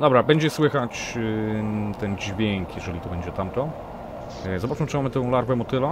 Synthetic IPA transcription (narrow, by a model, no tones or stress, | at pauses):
d̪ɔbɾabɛɲd͡ʑɛswɘxat͡ɕ | t̪ɛnd͡ʑvʲjɛŋkjɛʐɛlʲit̪ɔbɛɲd͡ʑɛt̪amt̪ɔ | zɔbat͡ʂmɘt͡ʂɨmamɘt̪ɔ̃w̃laɾvɛmɔt̪ɘlɔ